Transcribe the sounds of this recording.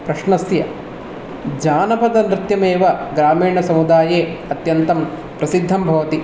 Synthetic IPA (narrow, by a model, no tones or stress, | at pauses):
pɾɐʂɳɐsjɐ | d͡ʒaːnɐpɐd̪ɐnɾɪt̪jɐmeːʋɐɡɾaːmiːɳɐsɐmud̪aːjeːɐt̪jɐnt̪ɐm | pɾɐsid̪ʱːɐmbʱɐʋɐt̪i